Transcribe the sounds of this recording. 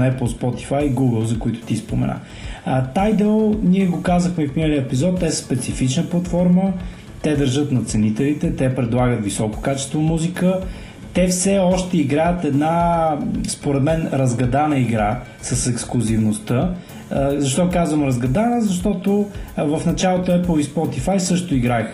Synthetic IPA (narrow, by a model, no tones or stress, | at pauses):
ɛplˠspɔt̪i̥fajiɡuɡəlˠzɐkoit̪ʊ̥t̪ispomɛ̰na̰ | t̪ajd̪ɛlˠniɛɡokazəxmɛfninəliəɛpizɔt̪ːɛsspɛt̪sifit͡ʃnəplˠɐt̪fɔɾmə | t̪ɛd̪əɾʒɤt̪nɐt̪sɛnit̪ɛlit̪ɛt̪ɛpɾɛd̪lˠaɡət̪visɔko̥kat͡ʃɛ̥st̪vomuzikə | t̪ɛfsɛɔʃt̪ɛiɡɾajət̪ɛd̪na | spoɾɛd̪mɛnɾɐzɡɐd̪anəiɡɾa | sɐsɛksklˠʊzivnost̪ə | zɐʃt̪ɔkazvəmɾɐzɡɐd̪anəzɐʃt̪ɔt̪ovəfnɐt͡ʃalˠot̪oɛplˠispɔt̪ifajsɤʃt̪ʊiɡɾax